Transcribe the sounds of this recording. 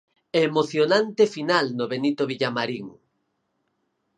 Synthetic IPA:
eːmoθjonant̪efinalnoβenit̪oβ̞iʎamaɾiŋ

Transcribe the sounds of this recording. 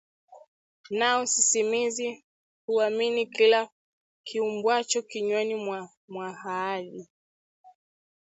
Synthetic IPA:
nausisimizi | huaminikila | kʰiumbwat͡ʃɔkiɲɔnimwa | mwahaaːɗi

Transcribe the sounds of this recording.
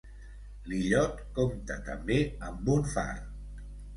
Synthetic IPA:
liʎɔt̪komt̪ət̪əmbeəmbunfa̰r

